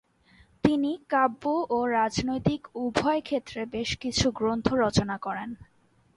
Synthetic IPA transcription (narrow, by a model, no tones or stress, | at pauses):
t̪inikabːoʔoɾad͡ʑnojt̪ikubʱɔekʰet̪ːɾebeʃkit͡ɕʰuɡɾont̪ʰoɾɔt͡ɕonakɔɾen